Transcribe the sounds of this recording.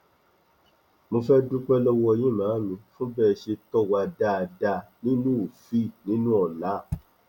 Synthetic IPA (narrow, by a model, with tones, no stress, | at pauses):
mõ˧fɛ˦dũ˦k͡pɛ˦lɔ˦wɔ˦ɔ˧j̃ĩ˦˨mãː˨˦mĩ˧fũ˦bɛ˦˨ʃe˧tɔ˦˨wa˧da˦˨da˧nĩ˦nũ˦u˨fi˦˨nĩ˦nũ˦ɔ˦˨la˨˦˨